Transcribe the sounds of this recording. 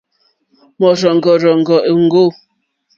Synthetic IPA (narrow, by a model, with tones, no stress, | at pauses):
mɔ˨ɾɔ˨ŋ˨ɡɔ˨ɾɔ˨ŋ̩˨ɡɔ˨ʔe˨ŋ̩˦ɡo˦˨